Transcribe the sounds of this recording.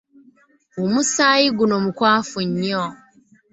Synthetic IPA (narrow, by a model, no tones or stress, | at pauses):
omusaːjiɡunomukwaːfuɲːo